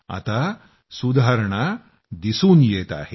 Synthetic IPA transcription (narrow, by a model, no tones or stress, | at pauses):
ɐ̰t̪a | sud̪ʱaːɾɐɳɐ | d̪isuːnjeːt̪a̰ːɦe